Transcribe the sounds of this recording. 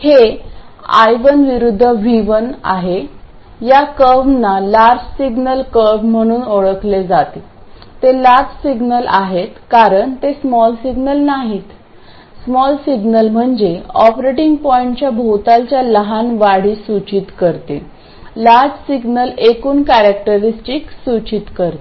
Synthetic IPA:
he | a̰jʋənʋiɾud̪ʱːəʋiʋəna̰ɦe | jakəʋnalaɾd͡ʑsiɡnəlkəʋm̤əɽ̃uːnoɭəkled͡zat̪et̪elaɾd͡ʑsiɡnəlaɦet̪kaɾəɳt̪esmɔlsiɡnəlnaɦiːt̪ | smɔlsiɡnəlm̤əɳd͡ʑeɔpɾeʈiŋɡpɔiɳʈt͡ɕjabʱot̪alt͡ɕjaləɦanʋaɽ̤iːsut͡ɕit̪kəɾt̪e | laɾd͡ʑsiɡnəlekuːnkæɾak̚ʈəɾisʈiksut͡ɕit̪kəɾt̪e

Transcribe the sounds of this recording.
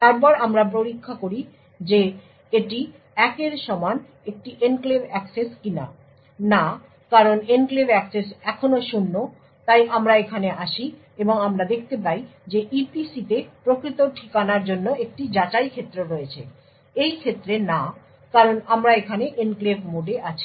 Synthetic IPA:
t̪aɾp̬ɔɾamɾap̬ɾoɾikʰːakoɾi | d͡ʑe | eʈi | ɛkeɾʃɔman | ek̚ʈiʔenklebɛkseskina̰ | na | kaɾonenklebɛksesɛkʰonoʃunːo | t̪ajʔamɾaekʰaneʔaʃi | eboŋamɾad̪ek̚ʰt̪ep̬ajd͡ʑeʔipisit̪epɾokɾit̪oʈʰikanaɾd͡ʑonːoek̚ʈid͡ʑat͡ɕajkʰet̪ːɾoɾojet͡ɕʰḛ | ejkʰet̪ːɾena | kaɾonamɾaekʰaneʔenklebʱmoɖeʔat͡ɕʰi

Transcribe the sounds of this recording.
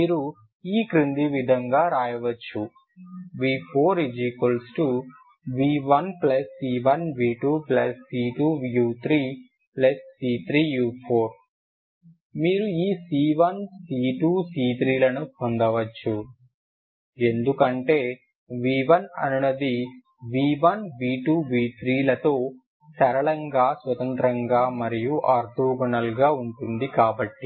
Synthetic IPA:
miːɾu | iːkɾind̪iʋid̪ʱɐŋɡaːɾaːjɐʋɐt͡ʃːu | ʋiːpʰoːɾid͡ʒikolsʈu | ʋiːʋɐnplɐsːiːʋɐnʋiːʈuːplɐsːiːʈuːjuːt̪ʰɾiː | plɐsːiːt̪ʰɾiːjuːpʰoːɾ | miːɾuiːsiːʋɐnsiːʈuːsiːt̪ɾiːlɐnupond̪ɐʋɐt͡ʃːu | e̞nd̪ukɐɳʈe̞ː | ʋiːʋɐnɐ̰nunɐd̪i | ʋiːʋɐnʋiːʈuːʋiːt̪ɾiːlɐt̪o̞ː | sɐɾɐɭɐŋɡaːsʋɐt̪ɐnt̪ɾɐŋɡaːmɐɾijuʔaːɾt̪uːɡɐɳɐlɡaːuɳʈund̪ikaːbɐʈːi

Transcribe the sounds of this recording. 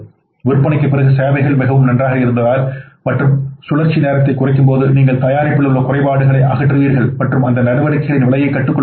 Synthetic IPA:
ʋɪɾpːɐɳɪkːɐpːɪrɐɣɯseːʋɐɪɣɐɭmɪɣɐʋɯmnɐndraːɣɐɪɾɯnd̪ɐðaːlmɐʈrɯmsʊlɐɾt͡ʃːineːɾɐt̪̬ːɐɪkːʊrɐɪkːɯmpoːðɯniːŋɡɐɭt̪ɐjaːɾɪpːɪɭɯɭːɐkʊrɐɪpaːɽɯɣɐɭɐɪʔɐɣɐʈːrɯʋiːɾɣɐɭmɐʈrɯmɐnd̪ɐnɐɽɯʋɐɾɯkːɐɣɐɭɪnʋɪɭɐjɐɪkːɐʈːɯkːɔ

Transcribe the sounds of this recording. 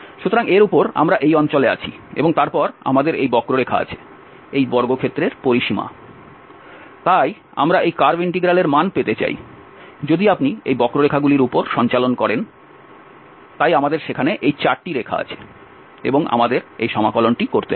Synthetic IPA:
ʃut̪oɾaŋeɾupoɾa̰mɾaʔejɔnt͡ɕolea̰t͡ɕʰḭḛboŋt̪aɾpɔɾa̰mad̪eɾejbɔkɾoɾekʰa̰a̰t͡ɕʰe̥ | ejbɔɾɡokʰet̪ːɾeɾpoɾiʃima̰ | t̪aj | a̰mɾaʔejkaɾbeɳʈiɡɾaleɾmanpet̪et͡ɕa̰j̰ | d͡ʑod̪iapniejbɔkɾoɾekʰaɡuliɾupoɾʃɔnt͡ɕalonkɔɾen | t̪ajamad̪eɾʃekʰaneʔejt͡ɕaɾʈiɾekʰa̰a̰t͡ɕʰe̥ | ḛboŋa̰mad̪eɾḛjʃɔmakɔlonʈikoɾt̪e

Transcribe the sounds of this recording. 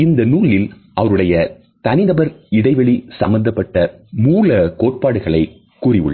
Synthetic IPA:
ɪnd̪ɐnuːlɪl | ɐʋɐɾɯɽɐjɐ | t̪ɐnɪnɐbɐɾɪɽɐɪʋɐɭisɐmbɐnd̪ɐpːɐʈːɐmuːlɐkoːʈ̚paːɽɯɣɐɭɐɪ | kuːrɪʋɯ̰ɭːɐ

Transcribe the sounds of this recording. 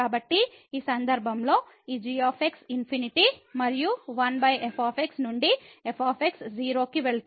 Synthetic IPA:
aːbɐʈːiiːsɐnd̪ɐɾbʱɐmlo̞ː | iːd͡ʒijaːpʰeksinpʰiniʈimɐɾijuʋɐnbʱɐjepʰaːpʰeksnuɳɖiepʰaːpʰeksd͡ʒiːɾo̞ːkiʋeɭ

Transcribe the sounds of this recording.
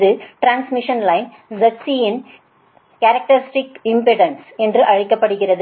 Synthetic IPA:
ðɯʈɾaːnsmɪʂɐnlɐɪn | zɐʈsijɪn | kɐɾɐk̚ʈɐɾɪsʈɪkɪmpɪʈɐnsɛndrɯʔɐɻɪkːɐpːɐɽɯɣɪrɐðɯ

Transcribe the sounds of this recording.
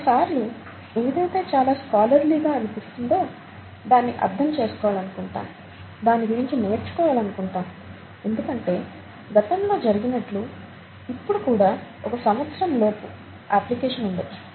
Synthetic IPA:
ksaːɾlu | e̞ːʋid̪ɐjt̪e̞ːt͡ʃaːlaːskaːlɐɾliɡaːɐnupist̪und̪o̞ː | d̪aːnːiʔɐ̰ɾd̪ʱɐmt͡ʃe̞ːsu̥kɔːʋaːlɐnukuɳʈa̰ːm | d̪aːnːiɡuɾiɲt͡ʃine̞ːɾt͡ʃu̥kɔːʋaːlɐnukuɳʈaːm | e̞nd̪ukɐɳʈe̞ː | ɡɐt̪ɐmlo̞ːd͡ʒɐɾiɡinɐʈlu | ipːuɽukuːɽaː | ɔkɐsɐmɐt̪sɾɐmlo̞ːpu | aːplikɛːʂɐnuɳɖɐji

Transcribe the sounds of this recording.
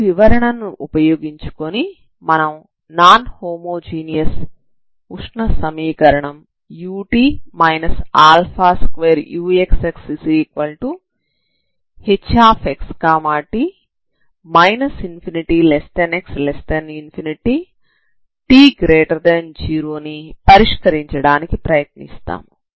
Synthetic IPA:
ʋiʋɐɾɐɳɐnuʔupɐjoːɡiɲt͡ʃu̥koni | mɐnɐm | naːnhoːmoːd͡ʒiːnijɐs | uʂɳɐsɐmiːkɐɾɐɳɐm | juːʈiːmɐjnɐsaːlpʰaːskʋeːɾjuːekseksisikʋɐlʈu | het͡ʃːaːpʰekskaːmaːʈi | mɐjnɐsinpʰiniʈilest̪ɐnekslest̪ɐninpʰiniʈi | ʈiːɡɾeːʈɐɾd̪ɐnd͡ʒiːɾoːnipɐɾiʂkɐɾiɲt͡ʃɐɽaːnikipɾɐjɐt̪nḭst̪a̰ːm

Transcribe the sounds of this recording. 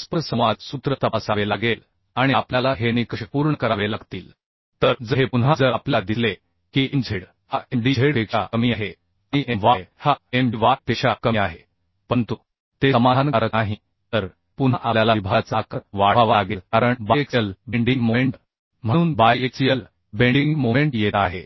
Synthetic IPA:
spəɾsə̃w̃ʋad͡zsut̪ɾət̪əpasaʋelaɡel | aɽ̃iapljalaɦenikəɕəpuɾɳəkəɾaʋelaɡt̪iːl | t̪əɾd͡zəɦepunɦad͡zəɾapljad̪isle | kiːʔind͡zʱeɽ | haʔemɖieɽekɕakəmiːaɦe | iʔeʋajhaemɖiʋaʈ̚t̪eɕakəmiaɦe | pəɳt̪u | t̪esəmankaɾəaɦi | t̪əɾ | punaʔaljalaibʱat͡sakəʋaɦaʋaɡelkaɾəɳbajekjəlbeɳɖiŋɡmomeɳʈ | m̤əɽ̃uːnbajek̚sijəl | beɳɖiŋɡmomeɳʈjet̪aɦe

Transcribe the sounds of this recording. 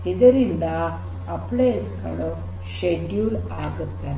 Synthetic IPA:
id̪əɾind̪aː | pleska̰ɭɔ | ɕeɖjulaɡət̪a

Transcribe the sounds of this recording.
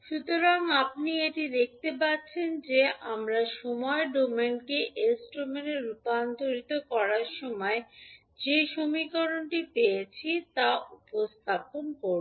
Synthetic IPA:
ʃut̪oɾaŋap̚nieʈid̪ek̚t̪epatːɕʰend͡ʑeʔamɾaʃɔmɔeɖomenkeʔesʈɾomeneɾupand̪ʱoɾit̪okɔɾaɾʃɔmɔe | d͡ʑeʃomikoɾonʈipejet͡ɕʰit̪aupost̪ʰaponkoɾ

